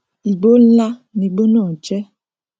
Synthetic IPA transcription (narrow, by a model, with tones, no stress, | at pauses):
i˨ɡ͡bo˦la˦ni˨ɡ͡bo˦nɔ˦˨d͡ʒɛ˦